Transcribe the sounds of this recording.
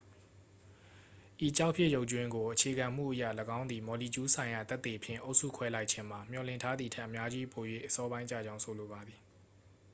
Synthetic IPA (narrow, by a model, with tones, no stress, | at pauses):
ʔi˨t͡ɕa˦ʊpʰjɪ˦ʔjo˦ʊʔtt͡ɕwɪ̃˦ŋɡo˨ʔət͡ɕʰe˨ɡã˨m̥ṵ˦˨ʔəjä̰˦˨ləɡã˦ʊ̃nd̪i˨mɔ˨li˨t͡ɕu˦sʰã˨ɪ̃ja˨t̪ɛ˦t̪ːe˨pʰjɪ̰̃˦˨ʔo˦ʊʔsṵ˦˨kʰwɛ˦la˦ɪʔt͡ɕʰɪ̃˦m̥a˨m̥jɔ˨lɪ̰̃˦˨ntʰa˦d̪ði˨tʰɛ˦ʔːə˨mja˦d͡ʑi˦pʰo˨jwḛ˦˨ʔəsɔ˦bã˦ɪ̃t͡ɕä̰˦˨d͡ʑã˦ʊ̃sʰo˨lo˨ba˨d̪ði˨